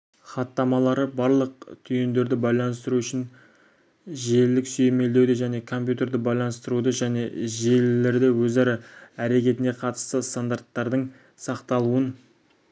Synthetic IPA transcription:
χɑt̪ːɑmɑlˠɑɾəbɑɾlˠəq̚t̪ʰʏjend̪e̞ɾd̪ɪbɑjlˠɑnəst̪əɾuʏʃɪn | ʒe̞lːɪksʏjeme̞ld̪e̞wd̪eʒæne̞kʰo̞mpʲjut̪e̞ɾd̪ɪbɑjlˠɑnəst̪əɾud̪əʒæne̞ʒe̞lːe̞ɾd̪ɪwɵzɑɾɑæɾe̞kʲe̞t̪ɪne̞qʰɑt̪ə̥st̪əst̪and̪art̪ːɑɾd̪əɴ | sɑqt̪ɑlˠuən

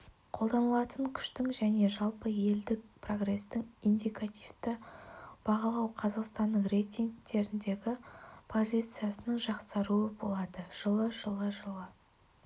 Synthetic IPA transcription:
qʰo̞lˠd̪ɑnəlˠɑt̪əŋkʲʰʏ̥ʃt̪ɪŋʒæne̞ʒɑlˠpəje̞ld̪ɪk̚pʰro̞ɡre̞st̪ɪŋind̪ʲijkat̪ʲijft̪ɪb̥ɑʁɑlˠɑwqʰɑzɑqst̪ɑnd̪əɴrejt̪ʲiŋɡ̚t̪e̞ɾɪnd̪e̞ɡʲɪpʰo̞zʲijt̪sɨjasənəɴʒɑqsɑɾuəbo̞lˠɑd̪əʒ̥əlˠəʒəlˠəʒəlˠə

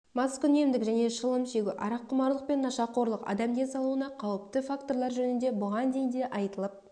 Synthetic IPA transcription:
mɑskʲʏne̞md̪ɪkʒæne̞ʃəlˠəmʃe̞ɡʲɪʔɑɾɑqʰːʊmɑɾlˠəq̚pe̞nːɑʃɑqʰo̞ɾlˠəqɑ̰d̪ɑmd̪e̞sɑlˠuənɑqʰɑwəp̚t̪əfakt̪o̞ɾlˠɑɾʒɵnɪnd̪e̞bʊʁɑnd̪e̞jnd̪e̞ʔɑjt̪əlˠəp̚

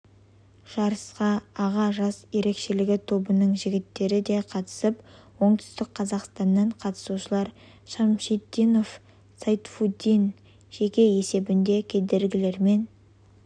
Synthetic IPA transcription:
ʒ̥ɑɾəsqɑːʁɑʒɑsje̞ɾe̞kʃe̞lɪɡʲɪt̪ʰo̞bənəɴʒɪɡʲɪt̪ːe̞ɾɪd̪ejqʰɑt̪ə̥səp | wo̞ɴt̪ʏ̥st̪ɪk̚qʰɑzɑqst̪ɑnːɑɴqʰɑt̪ə̥suʃəlˠɑɾ | ʃɑmʃit̪ːinof | sajt̪fud̪ʲin | ʒ̥e̞kʲe̞e̞se̞bɪnd̪e̞kʲʰe̞d̪e̞ɾɡʲɪle̞ɾme̞n

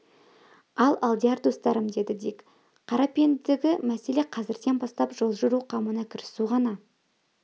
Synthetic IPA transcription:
ɑlˠɑlˠd̪iaɾd̪ost̪ɑɾəmd̪e̞d̪ɪd̪ekʲ | qʰɑɾɑpend̪ɪɡʲɪmæse̞le̞qʰɑzɪɾd̪enbɑst̪ɑpʒo̞lˠʒʊɾuqʰɑmənɑkʲʰɪɾɪsuʁɑnɑ

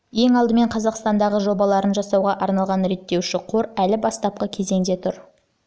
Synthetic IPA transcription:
je̞ŋɑlˠd̪əme̞ɴqʰɑzɑqst̪ɑnd̪ɑʁəʒo̞bɑlˠɑɾənʒɑsɑwʁɑʔɑɾnɑlˠʁɑnɾe̞t̪ːe̞wʃɪqʰoɾælɪbɑst̪ɑp̚qəkʲʰe̞ze̞ŋd̪e̞t̪ʰʊɾ

